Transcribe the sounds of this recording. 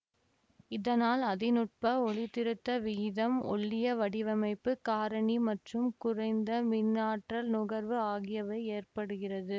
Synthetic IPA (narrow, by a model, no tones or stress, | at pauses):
ɪðɐnaːlɐðɪnʊʈ̚pɐɔɭɪt̪ːɪɾɯt̪ːɐʋiːðɐmɔ̰ɭːɪjɐʋɐɽɪʋɐmɐɪpːɯkaːɾɐɳimɐʈrɯmkʊrɐɪnd̪ɐmɪnːaːʈrɐlnʊɣɐɾʋɯaːɣɪjɐʋɐɪeːrpɐɽɯɣɪrɐðɯ